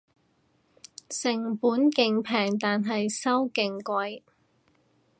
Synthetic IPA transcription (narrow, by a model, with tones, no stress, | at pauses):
sɪ˨˩ŋpuː˨˥nkɪ˨˧ŋpʰɛː˨˩ŋt̪aː˨nɦɐ˨jsɐ˥wkɪ˨ŋkʷɐ˧j